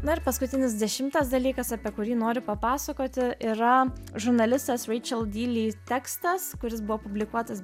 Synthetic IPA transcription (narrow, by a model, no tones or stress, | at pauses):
nʊɪɾpɐskʊt̪ʲɪnʲɪsd̪ʲɛʃʲɪmt̪ɐsd̪ɐlʲiːkɐsɑpʲiɛkʊɾʲiːnoːɾʲʊpɐpɑːsɐkoːt̪ʲɪʔiːɾɐʒʊɾnɐlʲɪst̪ɐsɾʲɛɪt͡ʃʲɛlˠd̪ʲiːlʲiːt̪ʲɛkst̪ɐskʊɾʲɪs̬bʊʋoːpʊbʲlʲɪkuɔt̪ɐs